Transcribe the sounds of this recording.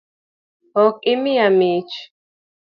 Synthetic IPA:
ɔkimiamit͡ʃ

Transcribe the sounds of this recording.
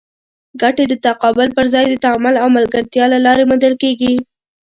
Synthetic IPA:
ɡaʈed̪ət̪aqɑbʊlpəɾzɑjd̪ət̪amʊlawmalɡaɾt̪jɑlalɑɾemʊd̪əlkeɡi

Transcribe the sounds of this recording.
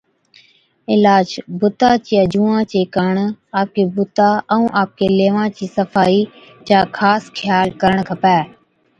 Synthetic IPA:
ɪlaːd͡ʒbʊt̪aːt͡ɕiːəd͡ʒuːãːt͡ʃeːkəɳaːp̚keːbʊt̪aːʔəũːʔaːp̚keːleːʋãːt͡ɕiːsəfaːiː | t͡ʃaːkʰaːskʰjaːlkəɾəɳ̃kʰəpɛː

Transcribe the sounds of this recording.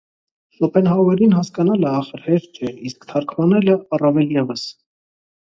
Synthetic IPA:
sɔpɛnɦɑwɛɾinɦɑskɑnɑləɑχəɾhɛɾt͡ʃʰɛɾiskt̪ʰɑɾkʰmɑnɛləɑrɑvɛljɛvəs

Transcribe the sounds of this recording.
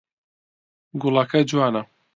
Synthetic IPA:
ɡʊlˠɐkʰɐd͡ʒwaːnɐ

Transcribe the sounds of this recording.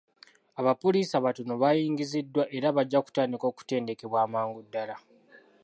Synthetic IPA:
aβapolisaβatonoβajiːŋɡizidːwaʔe̞ɾaβaɟːaku̥taːndiko̞ːku̥te̞ːnde̞ke̞βwaːmaːŋɡudːala

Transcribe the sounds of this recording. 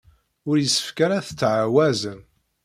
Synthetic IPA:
ʊɾjəsːə̥fkaɾaθət͡sːʕawæzən

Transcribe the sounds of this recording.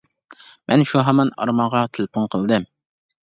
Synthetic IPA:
mʔɛnʃuɦɑmɑnɑ̰ɾmɑʁɑt̪ʰɪlˠpʰʊŋqʰəlˠd̪ɨm

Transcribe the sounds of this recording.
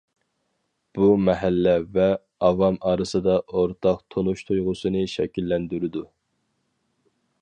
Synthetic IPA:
b̥umɛɦælːɛvɛ | ɑvɑmʔɑːɾɨsɨd̪ɑʔoɾt̪ʰɑqt̪ʰonuʃt̪ʰujʁʊsɨnɨʃɛkʲilːɛnd̪yɾɪd̪u

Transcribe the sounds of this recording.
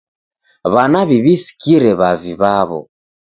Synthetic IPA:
βanaβiβisi̥kiɾɛβaviβaβɔ̰

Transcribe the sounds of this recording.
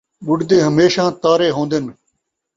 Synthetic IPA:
ɓʊɖd̪eːɦəmeːʃãːt̪aːɾeːɦõːnd̪ən

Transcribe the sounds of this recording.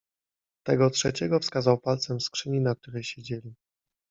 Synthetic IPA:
t̪ɛɡɔtʂɛt͡ɕɛɡɔfskazawpalt̪sɛmskʂɘɲinak̚t̪uɾɘɕed͡ʑelʲi

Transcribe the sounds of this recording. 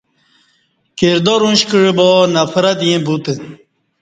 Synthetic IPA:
keɾd̪oɾũnɕkəɻbɔnɐfɾɐd̪jẽbut̪ə

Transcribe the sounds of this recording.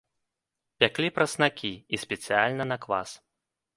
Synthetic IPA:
pʲaklʲipɾɐsnakʲiisʲpʲɛsʲijalʲnɐnɐkva̰s

